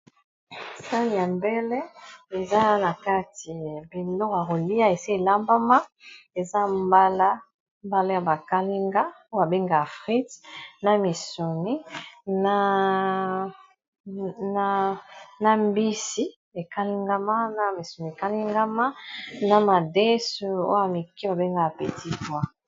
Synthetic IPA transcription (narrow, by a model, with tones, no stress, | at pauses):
sa˦ni˨a˨mbɛ˦lɛ˦e˨za˦na˨ka˦ti˨bi˨lɔ˦kja˨ko˨li˦a˦e˨si˦e˨la˦mba˦ma˦e˨za˦mba˦la˦ | mba˦la˦ja˨ba˨ka˦li˦ŋɡa˦ | o˦a˨be˦ŋɡa˨a˨fʁi˦tna˦˨mi˨so˨ni˦na˦ | na˦na˨mbi˦si˦ | e˨ka˦li˦ŋɡa˦ma˦na˨mi˨so˨ni˨e˨ka˦li˦ŋɡa˦ma˦na˨ma˨de˦su˨o̰˦a˨mi˨ki˦a˨be˦ŋɡa˦a˨pe˨ti˦bwa˦